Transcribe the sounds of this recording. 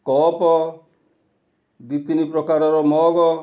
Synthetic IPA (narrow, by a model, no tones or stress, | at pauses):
kɔpɔ | d̪it̪inipɾɔkaɾɔɾɔmɔɡɔ